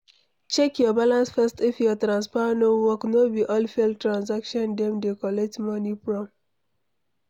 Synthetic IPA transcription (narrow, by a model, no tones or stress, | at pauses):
t͡ʃɛkjɔbalãnsfɛstifjɔtɾãnspanowɔknobiʔɔlfɛltɹãns̬akʃɔ̃ndɛ̃mdekɔlɛk̚tmɔnipɹɔm